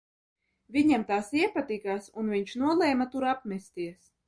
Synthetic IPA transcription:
vʲiɲamt̪aːsiɛpat̪ikaːsunviɲt͡ʃnuɔlˠɛjmat̪uɾapmʲɛst̪iɛs

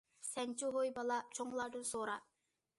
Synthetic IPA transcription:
sɛnʲt͡ʃuɦojbɑlˠɑt͡ʃʰoŋlˠɑɾd̪ɯnsoːɾɑ

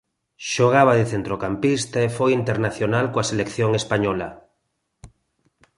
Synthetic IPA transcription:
ʃoɣ̞aβ̞aðeθent̪ɾokampist̪aefojint̪eɾnaθjonalkoaselekθjoŋespaɲɔla̰

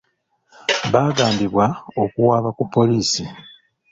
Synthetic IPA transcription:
βaːɡaːmbiβwao̞kuwaːβakupʰːo̞liːsi

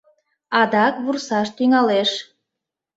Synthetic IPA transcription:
ɑd̪ɑkβursɑʃt̪yŋɑleʃ

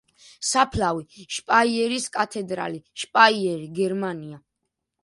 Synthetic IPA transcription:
sapʰlaviʃpʼaiɛɾiskʼat̪ʰɛd̪ɾa̰liʃpʼaiɛɾiɡɛɾmania

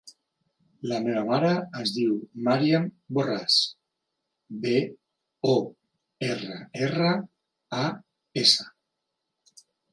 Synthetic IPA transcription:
lameβamaɾaːzðiwmaɾiamboras | be | o | erəerə | a | esə

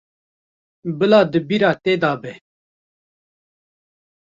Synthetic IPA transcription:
bəlaːd̪əbiɾaːt̪eːd̪aːbeː

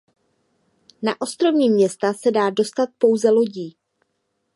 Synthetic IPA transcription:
na̰ʔo̞st̪ɾo̞vɲiːmɲɛst̪asɛdaːdo̞st̪at̪̚po̞wzɛlo̞ɟiː

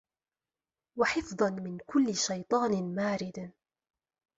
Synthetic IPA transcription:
waħɪfðˤɑnmɪnkʊlːɪʃajt̪ˤɑːnmaːɾɪd̪

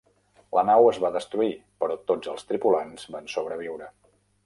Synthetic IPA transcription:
lənawəzβaðəst̪ɾuipəɾɔt̪od͡zəlˠst̪ɾipulanzbansoβɾəβ̞iwɾə

